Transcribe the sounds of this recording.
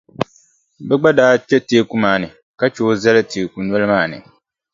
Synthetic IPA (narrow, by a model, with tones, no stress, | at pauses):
bɛ˦ɡ͡ba˦daː˦t͡ʃɛ˦teː˦ku˦maː˨nɨ˨ | ka˦t͡ʃoː˦zɛ˦lɨ˦tʰeː˨ku˨nwɔ˦lɨ˦maː˦˨nɨ̰˨